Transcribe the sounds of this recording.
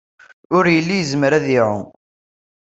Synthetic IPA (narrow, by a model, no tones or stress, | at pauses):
ʊɾjəlːijzmɾæðiʕṵ